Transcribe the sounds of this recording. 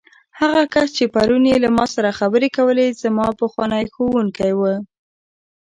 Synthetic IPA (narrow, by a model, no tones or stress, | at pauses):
haɣakast͡ʃepaɾunjelamɑsaɾaxabəɾekawəlezamɑpəxwɑnəjxowuŋkajwə